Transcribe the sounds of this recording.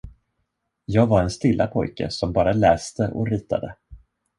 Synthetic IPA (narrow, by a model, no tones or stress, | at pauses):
jɑːɡvaɾɛnst̪ɪlːapʰɔ̰jkə̰sɔmbɑːɾalɛːst̪ʰəʔɔ̰ɾiːt̪ʰa̰d̪ə